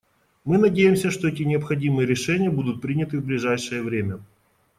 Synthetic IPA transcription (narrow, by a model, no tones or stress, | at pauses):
mɨnɐdʲejɪmsʲəʂt̪o̞ɛt̬ʲɪnʲɪɐpxɐdʲimɨjəɾʲɪʂɛnʲɪjəbud̪ʊt̪̚pɾʲinʲɪt̪ɨvblʲɪʐajʂɨjəvɾʲemʲə